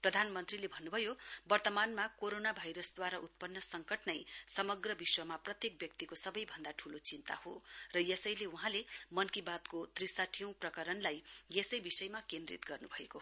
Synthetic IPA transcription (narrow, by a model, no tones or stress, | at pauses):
prʌd̪ʱanmʌnt̪rilebʱʌnːubʱʌjobʌrt̪ʌmanmakoɾonabʱajɾʌsd̪waɾaʔut̪̚pʌnːʌsʌŋkʌʈnʌjsʌmʌɡrʌbiswʌmaprʌt̪jek̚bjʌk̚t̪ikosʌbʌjbʱʌnd̪aʈʰulot͡sint̪a̰horʌjesʌjleuɦãlemʌnkibat̪kot̪risaʈʰij̃w̃prʌkʌɾʌnlajjesʌjbisʌjmakẽnd̪rḭt̪ɡʌrnubʱʌeko